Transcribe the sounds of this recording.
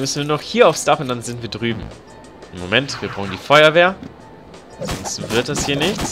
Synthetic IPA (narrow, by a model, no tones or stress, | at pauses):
mʏsn̩viuːɐnɔχhiːɐaʊfsd̥aχʊntd̥anzɪntviːɐdʁyːbm̩ | ʔɪmːomɛntv̥iːɐbʁɔŋəndiːfɔʏɐveːɐ | zɔ̰nst̩vɪɐt̚d̥ashiːɐnɪçt͡s